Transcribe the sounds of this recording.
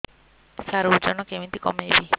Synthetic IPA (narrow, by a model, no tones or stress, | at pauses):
saɾud͡ʒɔnɔkemint̪ikɔmebi